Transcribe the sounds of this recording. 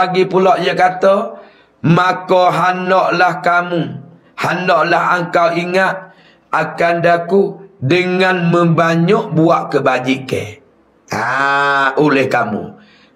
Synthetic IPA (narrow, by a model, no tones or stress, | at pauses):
aɡipulɔʔjakat̪ɔ | makɔɦanɔʔlahkamu | hanɔʔlaɦaŋkawiŋaʔ̪̚ | akandakuʔdəŋanməmbaɲɔʔbuaʔkəbad͡ʒiʔkḛ | a | ulɛhkamṵ